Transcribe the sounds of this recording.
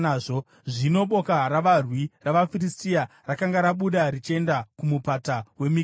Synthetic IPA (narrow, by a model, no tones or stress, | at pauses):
ʐo | ʐino̞ɓo̞karaʋarwiraʋafiristia | rakaŋɡaɾaɓuɗarit͡ʃe̞ndakumupatawe̞mi